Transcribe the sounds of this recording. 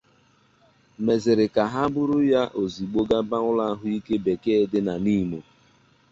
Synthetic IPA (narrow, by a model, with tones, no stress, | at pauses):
me˨zɪ˨ɾɪ˨ka˨ɦa˦bʊ˦ɾʊ˦ja˦ʔo˨zi˨ɡ͡bo˦ɡa˦ba˦ŋʊ˦la˦ɦʊ˦i˦ke˦be˨ke˦dɪ˦na˨ni˦˨mo˨